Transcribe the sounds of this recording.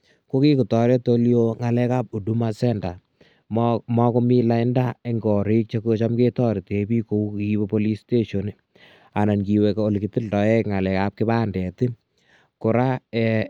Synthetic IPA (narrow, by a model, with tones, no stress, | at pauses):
ko˦ki˦ku˨tɔ˨ɾe˦to˦ljo˦ŋa˨lɛ˦ka˦p̚u˨du˦ma˦sɛ˦nda˨ | mɔ˦ko˦mi˦la˦jnda˦e˦ŋɡɔ˨ɾi˦k̚t͡ʃe˦ko˦t͡ʃa˦mke˦tɔ˦ɾi˨te˨bi˦ko˨u˦i˦wepo˦li˦ste˦ʃo˨ni | a˨na˨nki˨weko˦lki˨ti˦ldɔ˨˦ɛ˦kŋa˨lɛ˨kap̚kɪ˦ba˦ndɛ˨ti˦ | kʊ˨ɾa˦ɛ